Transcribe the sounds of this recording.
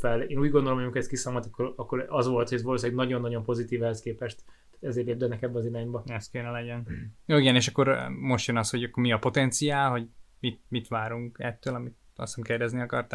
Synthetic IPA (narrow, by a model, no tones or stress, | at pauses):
fɛleːnuːɟɡond̪olomɒmikʰhɛst̪kisaːmɔt̪ɒkːoɾɒkːoɾɒzʋo̞lt̪hoɟɛzvɒloːsɛːɡnɒɟo̞nːɒɟo̞mpo̞zit̪iːvɛhɛskeːpɛʃt̪ː | ḁːt̪ɛzeːɾleːb̚d̪ɛnɛkɛbːɛɒziɾaːɲbɒɛst̪keːnɛlɛɟɛnjoːiɡɛneːʃɒkːo̞ɾmo̞ʃt̪jønɒsho̞ɟɒkːo̞rmiɒpo̞t̪ɛnt̪sijaːlɦo̞ɟmit̪̚mit̪ʋaːɾuŋkɛt̪ːøːlɒmit̪ | ɒ̰sɒmkeːrdɛzniɒkɒrt̪aː